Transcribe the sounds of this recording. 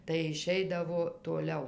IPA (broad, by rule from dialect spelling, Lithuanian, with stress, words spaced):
tɐɪ ɪˈʃʲɛɪdɐʋoː toːˈlʲɛʊ